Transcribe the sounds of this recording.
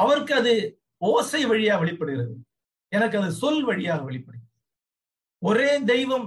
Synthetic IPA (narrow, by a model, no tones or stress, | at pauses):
ɐʋɐɾɯkːɯɐðɯ | oːsɐɪʋɐɻɪjaːɣɐʋɛɭɪpːɐɽɯɣɪɾɐðɯ̰ | ɛnɐk̬ːɯɐðɯsɔlʋɐɻɪjaːɣɐʋɛɭɪpːɐɽɯɣɪɐ | ɔɾeːd̪ɛɪʋɐm